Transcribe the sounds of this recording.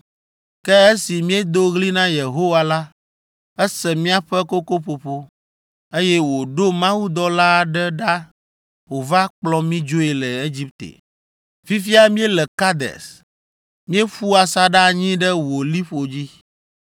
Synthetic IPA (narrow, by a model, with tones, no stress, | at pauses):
kɛ˦e˦si˨mĩ˦e˦d̪o˦ɣli˦nã˦je˨ɦo˦wa˨la˦ | ɛ˦sɛ˨mĩ˦a˦ɸɛ˦ko˦ko˦ɸo˨ɸo˦ | e˦jɛ˦wo˨ɖo˦mã˦wu˦d̪ɔ˦la˦˨ɖɛ˦ɖa˦ | wo˨va˦k͡plɔ˦mĩ˦d͡ʒo˦e˨lɛ˨e˦d͡ʑi˦p̚t̪ḛ˨ | fi˦fi˦a˦mĩ˦e˦lɛ˨ka˦d̪ɛ̰˨s | mĩ˦e˦ɸu˦a˨sa˦ɖa˦˨ɲĩ˦ɖɛ˦wo˨li˦ɸo˨d͡ʑi˦